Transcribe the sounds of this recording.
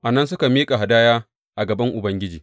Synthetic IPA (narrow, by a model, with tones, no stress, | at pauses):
ʔa˨nɐ˦ns̬ʊ˦ka˨miː˦kʼa˨ɦa˨daː˦jaː˦ | ʔa˨ɡɐ˨bɐ˦ŋʔʊ˨bɐ˦ŋɡʲɪ˦d͡ʒiː˨